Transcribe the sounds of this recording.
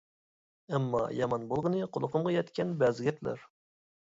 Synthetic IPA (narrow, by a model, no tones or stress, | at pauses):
ɛmːɑ̰jɑmɑnbolˠʁənɨqʰolˠəqʰʊmʁɑjɛt̪kʲʰɛnbɛzɡʲɛt̪ʰlæ̰ɾ